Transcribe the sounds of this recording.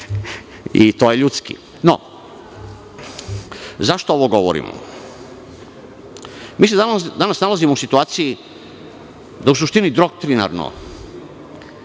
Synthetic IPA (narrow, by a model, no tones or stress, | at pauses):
it̪ojeʎut̪skḭ | no̰ | zaʃt̪ooʋoɡo̞ʋo̰ɾḭmo̰ | miːse̞d̪anad̪anasnalazimousit̪uaːt̪siji | d̪aus̬uʃt̪inid̪ɾo̞k̚t̪ɾina̰ɾno̰